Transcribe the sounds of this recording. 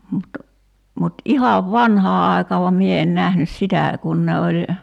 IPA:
mut mut ihɑʋ ʋɑnhɑː ɑˑi̞kɑː ʋɑm mie en næhnys sitæˑ kun ne olʲ

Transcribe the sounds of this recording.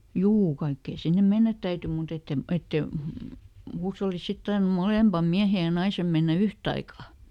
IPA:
juː kɑikːeːn̞ sinːem̆ menːæt tæyty mut etːem etːe huːsholːist̆ sit tɑrnum moleˑmpɑm miæhej̆ jɑ nɑisem menːæ yhtɑikɑ

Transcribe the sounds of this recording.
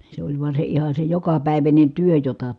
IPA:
se olʲ ʋuɑ se ihɑ se jokɑpæˑiʋænʲen̞ tyø jotɑ

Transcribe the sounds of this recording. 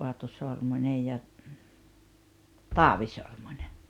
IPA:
oɑtu sormunʲej jɑ tɑːʋi sormunʲe

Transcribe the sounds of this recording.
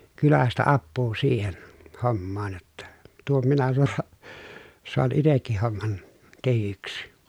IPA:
kylæstæ ɑpːuː siːhen homːɑːn jotːɑ tuom minæ soɑ soɑn itekːih homːɑn tehyksi

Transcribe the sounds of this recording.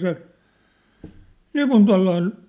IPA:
se niːkun tuɑ̝lːɑin

